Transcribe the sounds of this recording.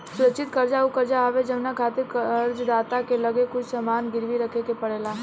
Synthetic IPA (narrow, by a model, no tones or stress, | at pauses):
sʊɾəkʃʰɪt̪kɐɾd͡ʒaukəɾd͡ʒaɦʋed͡ʒɐbnakʰaːt̪ɪɾkəɾd͡ʒd̪aːt̪akelɐɡekʊt͡ʃʰsɐmaːnɡɪɾʋiɾəkʰekepəɽeːlaɦ